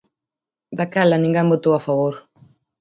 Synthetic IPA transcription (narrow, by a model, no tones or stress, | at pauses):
d̪akɛlanĩŋɡembot̪owafaβoɾ